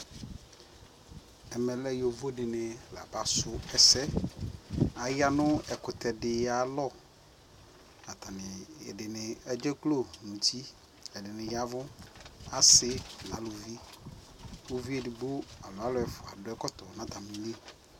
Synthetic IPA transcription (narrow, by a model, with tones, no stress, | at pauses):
ɛ˨mɛ˨lɛ˦jo˨vo˦dɪ˨nɪ˨la̰˨ba˦sʊ˦ɛ˨sɛ˦ | a˨ja˦nʊ̃˦ɛ˨kʊ˨t̪ɛ˨dɪ˨ja˨˦lɔ˦˨ | a˨t̪a˨nɪ˨ɛ̰˨dɪ˨nɪ˨ɛ˦d͡ʒɛ˦klo˦˨nʊ̃˨ti˦ | ɛ˨dɪ˨nɪ̃˨ja˦vʊ˦a˨sɪ˦nã̰˨˦lʊ˨vi˦ | o˦vi˦ɛ˨dɪ˨bo˦a˨lʊ˨a˦lɔ˦ɛ˨˦fʊ˨a̰˨dʊ˦ɛ˦kɔ˦t̪ɔ˨nã˨t̪a˨mi˨ne˦